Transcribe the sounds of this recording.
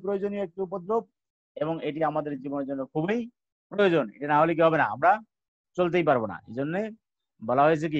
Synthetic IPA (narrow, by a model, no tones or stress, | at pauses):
pɾojod͡ʑonijoek̚ʈiupod̪ɾob̚ | eboŋeʈiamad̪eɾd͡ʑiboned͡ʑonːoɾkʰubej | pɾojod͡ʑonḛʈinaɦolek̬iɦɔbenaa̰mɾa | t͡ɕolt̪̬ejp̬aɾbona̰ḛd͡ʑonːe | bɔlaɦojet͡ɕʰek̬i